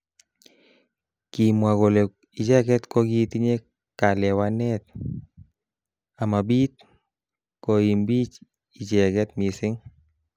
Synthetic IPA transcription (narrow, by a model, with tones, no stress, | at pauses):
ki˨mwa˨ɡo˨le˨ | i˨d͡ʒɛ˦ɡɛ˦t̪kɔ˦ɡi˦t̪i˦ɲe˦ | ka˨lɛ˨wa˦nɛ˦t̪̚ | a˨ma˨bi˦t̪̚ | ko˨i˨mbi˦t͡ʃ | i˨d͡ʒɛ˨ɡɛ˦t̪mi˨sɪ˦ŋ